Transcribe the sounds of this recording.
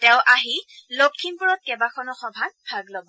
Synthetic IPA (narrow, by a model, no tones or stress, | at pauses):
tɛʊ̃ʔaɦilokʰːinpuɹɔt̚kɛbakʰɔnɔxɔbʱanbʱaɡlɔbɔ